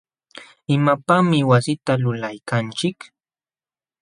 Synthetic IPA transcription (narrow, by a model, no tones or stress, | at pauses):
ɪmapamɪwasɪt̪alʊlajkant͡ʃɪk